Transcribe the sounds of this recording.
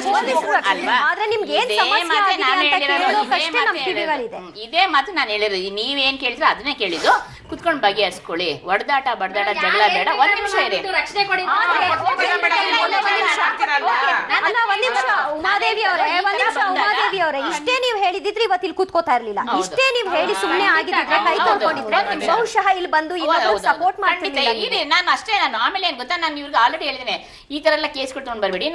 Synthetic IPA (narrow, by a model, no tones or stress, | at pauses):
imʂɐɐɐaːd̪ɾenimɡeːnsɐmɐmjɐaːiaeːɐiɾɐlokɐʂenɐmʈiːiɡɐlid̪e | id̪eːmaːt̪unaːnɦeːɭiɾniːʋeːnke̞ːɭd̪iɾeɐd̪ɐneːkeːɭid̪u | kut̪koɳɖbɐɡːeɐɾskoɭiʋɐɽd̪aːʈɐbɐɽd̪aːʈɐd͡ʒɐɡlabɛːɽɐʋoninimʂɐiɾɾɐt͡ʃnekoɽiaːd̪ɾeoːkeɽaʋonːiʂɐoːkeaɐlːaʋonnimʂɐumaːd̪eːʋijɐʋɾeʋonnimʂɐɦumaːd̪eːʋijɐʋɾeiʂʈe̞ːniːʋɦe̞ːɭid̪ːid̪ɾeiʋɐt̪ːilkut̪̚kot̪aːiɾlilːɐ̰ɐiʂd̪ʈeːniːʋɦe̞ːɭisumneaːɡid̪id̪ɾekɐj̪ɐlkoɳɖid̪ɾenimʂɐʃɐɦɐilːbɐnd̪uiʋɐt̪ːɐd̪sɐpoːɾʈmaːɽt̪iiliːiɾinaːnɐʂʈenaːnuaːmeːleːnɡot̪ːanaːniʋuɾiɡaːlɾeɽiɦeːɭid̪ine | iːt̪ɐɾɐɐlːɐkeːskoʈːt̪koɳbɐɾbeɽin